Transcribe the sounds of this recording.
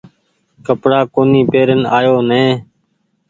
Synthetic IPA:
kəpɽaːkoːniːpeːɾənaːjoːnẽː

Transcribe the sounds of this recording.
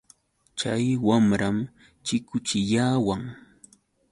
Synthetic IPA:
t͡ʃajwamɾam | t͡ʃɪkʊt͡ʃɪʎaːwaŋ

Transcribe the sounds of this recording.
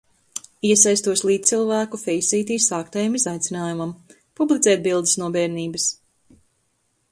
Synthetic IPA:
iɛsajst̪uɔslˠiːt̪t̪silˠvæːkufɛjsiːt̪iːsaːkt̪ajamizajt̪sʲinaːjumam | publˠit̪sɛːt̪̚bilˠd̪i̥snuɔbɛːɾniːbɐs

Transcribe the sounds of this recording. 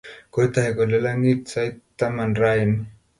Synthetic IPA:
kojt̪ahekolelaŋit̪sajtt̪ːamanrajn

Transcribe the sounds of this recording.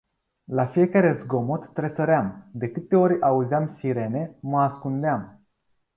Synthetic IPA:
lafije̞kaɾe̞zɡo̞mot̪ːɾesəɾeamd̪e̞kɨt̪e̞o̞ɾʲauzeamsiɾe̞ne̞məaskund̪eam

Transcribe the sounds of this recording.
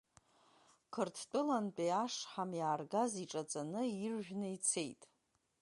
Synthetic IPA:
kʰɨrtʰt͡pʼɨlant͡pʼiaʂħamjaːrɡaziʈ͡ʂʼat͡sʼanɨirʒᶣʷnait͡sʰe̞jtʼ

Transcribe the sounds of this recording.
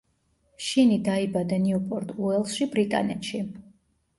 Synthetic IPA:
ʃinid̪aibad̪aniɔpʼɔɾt̪ʼuɛlˠʃibɾit̪ʼa̰nɛt̪ʃi

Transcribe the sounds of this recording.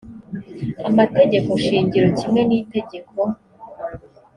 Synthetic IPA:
amate̞ɟe̞ko̞ʃiːɲɟiɾocimŋe̞niːte̞ɟe̞ko

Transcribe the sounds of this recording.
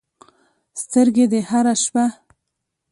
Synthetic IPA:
st̪əɾɡed̪ehaɾaʃpa

